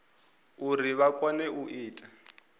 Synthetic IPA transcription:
uriβakʼɔnɛʔuʔiːtʼa

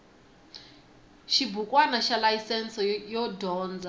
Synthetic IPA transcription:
ʃibukʼwanaʃalajisɛnsɔjɔdɔːnd͡za

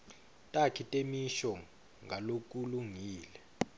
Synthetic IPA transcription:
tʼakʰitʼemiʃɔ | ŋɡʱalok̬ʼuluŋiːlɛ

